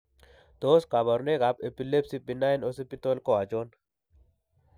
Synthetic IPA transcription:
d̪̥oːska˨bɐ˨ɾne˦ka˨pe˨pi˨le˦psipinːa˦enose˦pi˦t̪o˦lko˦a˨d͡ʒo˦n

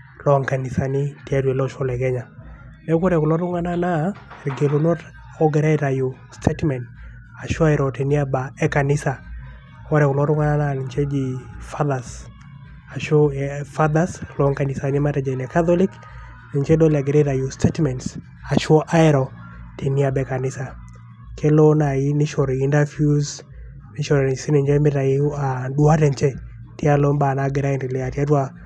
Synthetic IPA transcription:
lɔ˨˦ŋka˨ni˨sa˨ni˦ti˨a˦ɾwe˨lɔʃɔ˦lɛ˨ɡɛ˦ɲa˨ | nɛ˨˦ko˦ɾɛ˨kʊ˨lɔ˦ɾʊ˦ŋa˦na˦na˦e˨ɾɡe˨lo˨no˦ɾ | ɔ˦ɡɛ˨ɾɛ˦ɾa˨ju | stʰetmɛ˨nt | a˨ʃɔ˦a˦jɾɔ˨te˨ni˦a˦ba˨ɛ˦ka˨nɪ˦sa˨ | kɔ˦ɾɛ˨kʊ˨lɔ˦ɾʊ˦ŋa˦na˦na˦ni˨ɲt͡ʃe˦d͡ʒi˨fa˦ða˨s | a˨ʃo˦fa˦ðaslɔ˦ŋka˨nɪ˨sa˨ɲɛ˦ma˦ɾɛ˨d͡ʒa˨inɛ˨ka˦tɔ˦li˦k | nɪ˨ɲt͡ʃe˦dɔ˦lɛ˨ɡe˨ɾe˦ɾa˨ju˦stʰe˦tmɛ˨nts | a˨ʃɔ˦ʔa˦ɛ˦ɾɔ˨ | tʰe˨mi˦a˨bɛ˨ka˨nɪ˦sa˨ | kʰe˦lo˦na˨i˦nɪ˦ʃɔ˨ɾi˨i˦nda˦fju˦z | nɪ˦ʃɔ˨ɾɛ˨si˦nɪ˨ɲd͡ʒɛ˦mɪ˦ɾa˨i˦adwa˦ɾɛ˨ɲt͡ʃe˦ | ti˦a˦lo˦mba˨naɡɪ˨ɾa˦˨ndɪ˨lɛ˨a˨ta˦twa˦

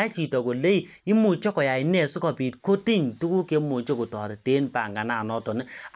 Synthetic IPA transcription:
a˦t͡ʃi˨tɔ˨ko˨le˦i˨ | i˦mu˨t͡ʃɔ˦kɔ˨ja˨i˨nɛ˨su˦kɔ˨pi˨t̚ko˦ti˦ɲtu˦ku˦ke˦mu˨t͡ʃo˦ku˨tɔ˨ɾi˨te˦npa˨ŋɡa˨na˨nɔ˦tɔ˨ni˦

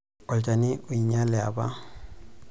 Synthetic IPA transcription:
ɔ˨lt͡ʃʼa˨nɪ˦ʔʊ˨i˨ɲa˦lɛ˨a̰˨ba˦

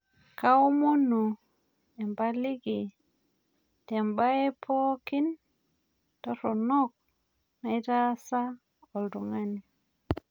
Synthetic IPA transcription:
ka˦o˦mo˦nu˨ | ɛ˨mba˦li˦ɡi˨ | tɛ˨mba˦e˦pʰɔ˦ki˦n | tɔ˦ɾɔ˨nɔ˦k̚ | na˨jɾa˦sa˦ | ɔ˨ldu˨ŋa˦ni˨

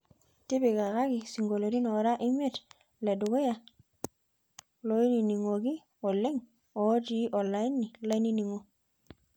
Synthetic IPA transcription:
ti˦bi˨ɡa˨ka˦ɡi˨si˨ŋɡo˨lo˨ɾi˦no˨ɾa˦ʔi˦me˦t | le˨du˨ɡo˦ja˦˨ | lo˨˦i˦ni˨ni˨ŋo˨ɡi˦ | o˨lːe˦ŋ | o˨˦ti˦ʔo˨lːa˦i˦nːi˨la˦i˦ni˦ni˨ŋo˨

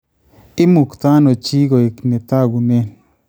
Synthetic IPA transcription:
i˦mu˨kt̪a˦no˨t͡ʃi˦ɡo˨e˨kne˨t̪a˦˨ɡu˨ne˦

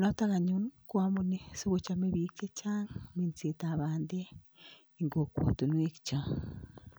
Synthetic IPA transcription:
no˦ta˦ɣa˨ɲu˦nkwa˦mu˦ne˨si˦βot͡ʃa˦meβike˦t͡ʃaŋme˨nt͡se˨taβaːnde˦ | i˨ŋɡo˨kwo̰˨tu˨nwe˦ki̥t͡ʃa˨

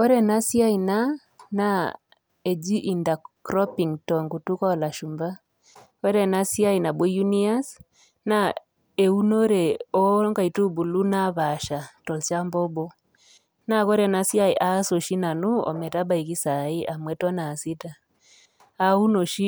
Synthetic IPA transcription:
ɔ˦ɾɛ˦˨na˦si˦a˦i˨na˦ | na˦ | ɛ˨d͡ʒi˦ʔi˨nda˨kɾɔ˦pi˨ŋtɔ˨ŋɡu˨tu˦kɔ˨la˨ʃu˨mba˦ | kɔ˦ɾɛ˨na˦si˦a˦i˨na˨bɔ˦ju˦ni˦a˦s | na˦ | ɛ˨u˦no˦ɾɛ˨ɔ˦ŋɡa˨i˨tu˦bu˨lu˦na˦βa˨ʃa˨tɔ˨lʃa˦mbɔ˦bɔ˦ | na˦kɔ˦ɾɛ˨na˦sja˦i˨ʔa˦so˨ʃi˦na˨nu˦ɔ̰˨mɛ˨ta˦ba˨i˨ki˦sa˨i˦ʔa˨mwɛ˨tɔ˦na˨si˦ta˨ | a˦u˦no˨ʃi˦

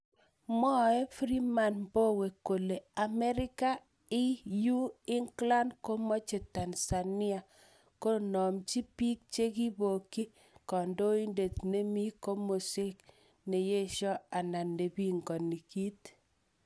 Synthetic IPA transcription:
mɔ˦˨ɛ˦fɾi˦ma˨nbo˦we˨ko˨le˨a˨mɛ˦ɾɪ˦ka˦ | ɪ˦ju˦ɪ˦ŋkla˦ndko˦mo˦t͡ʃe˨ta˨nsa˨nɪ˦a˨ | ko˦nɔ˨mt͡ʃi˦pi˦k̚t͡ʃe˦ki˦bo˨ki˦ | kɔ˨ndo˦i˦nde˨t̪ne˦mi˦ko˦mo˨sɪ˦k | ne˨je˦ʃɔ˦a˨na˨nde˨bi˦ŋɡɔ˨ni˨ki˦t̪

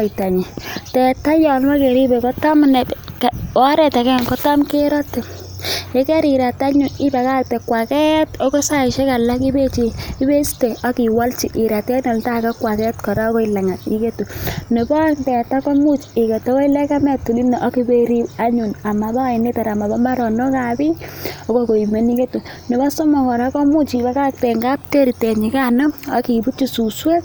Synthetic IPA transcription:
ɔ˨i˨ta˨ɲi˨tɛ˨ta˦jɔ˨lma˦ke˨ɾi˦be˨kɔ˦tɔ˦mnɛ˨kɔ˦ɾɛ˨ta˨kɛ˦ŋkɔ˦tɔ˦mke˦ɾɔ˦tːe˨ | je˦kɛ˦ɾi˨ɾa˨ta˦ɲʊ˨nɪ˦ba˨ka˦˨k̚te˨kwa˨kɛ˦to˦ko˦sa˦˨ʃe˦ka˨la˦ki˦be˦t͡ʃi˦i˦be˦si̥te˨ɔ˦ki˨wa˦lt͡ʃi˨ʔi˨ɾa˨ta˦nɔ˨lta˦ka˦kwa˨kɛ˦tkɔ˨ɾa˦kɔ˦ila˨ŋa˨ḭ˦ke˦tu˨ne˨bɔ˦ntɛ˨ta˦kɔ˦mu˦t͡ʃi˨ke˨te˦wo˦i˦lɛ˦ka˦mɛ˨tu˨li˦ne˨ʔɔ˦ki˦be˦ɾi˦a˦ɲu˨na˨ma˨ba˦˨i˨ni˦ta˨ɾa˨ma˨ba˦ma˦ɾɔ˨nɔ˦ka˨bi˦ɔ˦ko˦ko˨i˨me˨ni˦ke˦tu˨ | ne˨ba˦so˦mɔ˨ŋɔ˨ɾa˦kɔ˦mu˦t͡ʃi˨ba˦ka˦k̚te˨ŋɡa˦p̚te˦ɾi˨te˨ɲi˨ka˦nɔ˦a˨ki˨bu˦t͡ʃi˦su˨swe˦

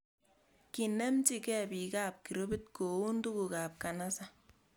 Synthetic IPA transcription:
ki˨nɛ˦mt͡ʃi˦kɛ˦˨pi˨ka˦˨p̚ki˨ɾo˦bi˦t̚ko˨u˦ndu˦ku˨ka˨p̚ka˨na˦sa˦

